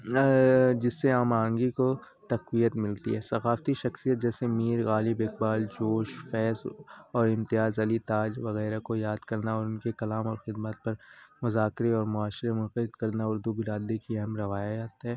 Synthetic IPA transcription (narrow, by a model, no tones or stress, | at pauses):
d͡ʒɪsːeaːmaːə̃ŋɡiko | t̪ɐqwijət̪mɪlt̪ḭɦɛːsɐxaːft̪iʃɐxsijət̪̚d͡ʒɛːsemiːɾɣaːlɪbɪk̚baːld͡ʒoːʃfɛːsɔːɾɪ̃mt̪ɪjaːzɐlit̪aːd͡ʒʋɐɣɛːɾakojaːd̪kɐɾnaɔːɾʊnkekɐlaːmɔːɾxɪd̪mət̪̚pɐɾmʊzaːkɾeɔːɾmʊaːʃɾemʊnxəɪd̪kɐɾnaʊɾd̪ubɪɾaːd̪ekiɛɦɛmɾɐʋaːjaaːt̪ɦɛː